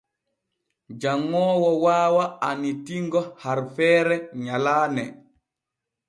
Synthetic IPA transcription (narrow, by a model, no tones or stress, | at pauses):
d͡ʒaŋːɔːwɔwaːwaːnitiŋɡɔhaɾfɛːɾɛɲalaːnɛ